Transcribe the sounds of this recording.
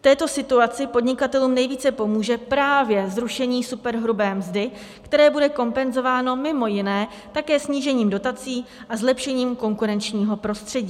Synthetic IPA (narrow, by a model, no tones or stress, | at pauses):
ft̪ɛːt̪o̞sɪt̪uat͡sɪpo̞dɲɪkat̪ɛluːmnɛjviːt͡sɛpo̞muːʒɛpɾaːvjɛzɾuʃɛɲiːsupɛɾɦɾubɛːmzdɪ | kt̪ɛɾɛːbudɛko̞mpɛnzo̞vaːno̞mɪmo̞jɪnɛː | t̪akɛːsɲiːʒɛɲiːmdo̞t̪at͡siːʔazlɛpʃɛɲiːmko̞ŋkuɾɛnt͡ʃɲiːɦo̞pɾo̞st̪r̝̥ɛɟiː